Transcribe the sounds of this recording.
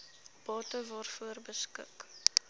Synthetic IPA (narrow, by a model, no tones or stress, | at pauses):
b̥ɑːtəvɔrfuərbəskə̰k